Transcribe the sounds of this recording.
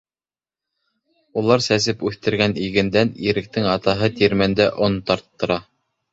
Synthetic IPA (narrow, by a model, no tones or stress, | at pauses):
ulˠɑɾsæs̬ɘpʉθt̪ɘ̆ɾɡæniɡɘ̆nd̪æniɾɘ̆k̚t̪ɘŋɑt̪ɑɦɤt̪iɾmænd̪æʔont̪ɑɾt̪ːɤ̆ɾɑ